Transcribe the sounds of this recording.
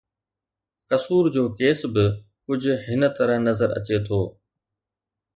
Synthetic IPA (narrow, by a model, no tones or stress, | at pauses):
kɐsuːɾd͡ʑoːkeːsbɪ | kʊd͡ʑʱʊ̆ɦɪnə̆t̪ɐɾə̃ɦnɐzəɾɐ̰t͡ɕet̪ʰoː